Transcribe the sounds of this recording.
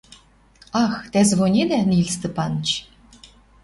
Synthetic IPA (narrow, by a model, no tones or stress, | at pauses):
ɑxt̪æzβonʲed̪ænilʲst̪ɤ̆pɑnt͡ɕ